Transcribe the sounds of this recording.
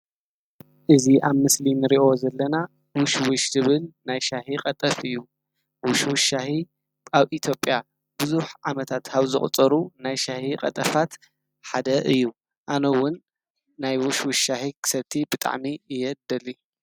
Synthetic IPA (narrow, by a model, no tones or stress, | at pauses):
ʔɨziʔaβmɨslinɨɾiʔo̞zɐlːɐna | wʊʃwʊʃzɨβɨlnajʃahiqʼɐt̪ʼɐfɨjːu | wʊʃwʊʃahi | aβʔit̪ʰjo̞pʼja | b̥ɨzuħʕamɐt̪ʰat̪haβzɨχʼt͡sʼɐɾunajʃahiqʼɐ̰t̪ʼɐfat̪ | ħad̪ɐʔɨjːu | ʔanowʊnː | ajwʊʃwʊʃahikʰɨ̥sɐβt̪ʰibɨt̪ʼa̰ʕmiɨjɛd̪ɐli